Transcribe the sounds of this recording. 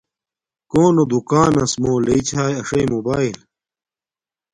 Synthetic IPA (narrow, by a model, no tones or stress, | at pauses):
koːnod̪ukaːnɐsmoːleit͡ɕʰaːjɐʂɐjmobaːil